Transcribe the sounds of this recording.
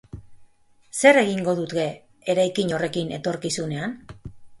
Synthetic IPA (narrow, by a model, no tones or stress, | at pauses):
se̞re̞ɣiŋɡo̞ðut̪ɣe̞ | eɾajkiɲo̞re̞kine̞̰t̪o̞ɾkisune̞an